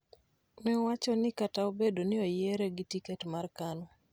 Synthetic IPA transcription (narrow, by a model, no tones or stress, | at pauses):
mɛwat͡ʃɔnɪkataobedonɪojɛɾɛɡitikɛtmarkanɔ